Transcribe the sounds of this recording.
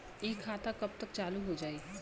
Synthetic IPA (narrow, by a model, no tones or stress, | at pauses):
ekʰːaːt̪akɐb̚t̪əkt͡ʃaːluɦod͡ʒaːi